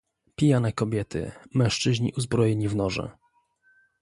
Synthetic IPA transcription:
pʲijanɛkɔbʲjɛt̪ʰɘ̰mɛ̃w̃ʂt͡ʂɘʑɲḭʔuzbɾɔjɛɲivnɔʐɛ̰

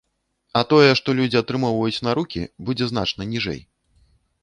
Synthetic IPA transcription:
ɐt̪ɔjɛʂt̪ɔlʲud͡zʲiɐt̪ɾɨmɔwvɐjut͡sʲnɐɾukʲḭbud͡zʲɛzn̪at͡ʂnɐnʲiʐɛ̰j

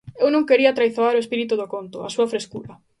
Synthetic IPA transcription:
ewnõŋkeɾiɐt̪ɾajθoaɾʊespiɾit̪uðokont̪ʊa̰suɐfɾeskuɾɐ

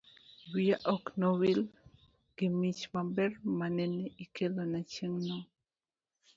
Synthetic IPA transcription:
wiaʔɔknowil | ɡ̥ɪmit͡ʃmabɛrmanɛneʔikelonat͡ʃeŋnɔ

